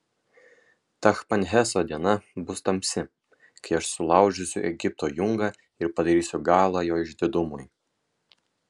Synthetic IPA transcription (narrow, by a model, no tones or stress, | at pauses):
t̪ɐxpɐnʲɦʲɛsoːd̪ʲiɛnɐbʊst̪ɐmʲsʲɪ | kɐɪɐʃsʊlˠɑˑʊʒʲʊsʲʊ̰ʔɛɡʲɪp̚t̪oːjʊŋɡɑ | ɪɾpɐd̪ɐɾʲiːsʲʊɡɑːlˠɑːjoːɪʒʲd̪ʲɪd̪ʊmʊj